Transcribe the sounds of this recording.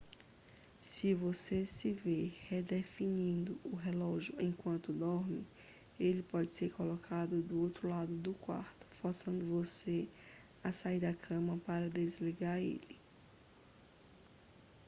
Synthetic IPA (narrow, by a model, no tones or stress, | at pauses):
sɪvosesɪvehed̪efinĩnd̪ʊʊɦelɔʒjʊẽj̃kwɐ̃nt̪ʊd̪ɔɾmɪ | elɪpɔd͡ʒɪseɾkolɔkʰad̪ʊd̪ʊowt̪ɾʊlad̪ʊd̪ʊkwa̰ɾt̪ʊ̥foɾsɐ̃nd̪ʊvose | ɐsaiɾd̪ɐkʰɐ̃mɐpaɾɐd̪ezliɡaɾḛlɪ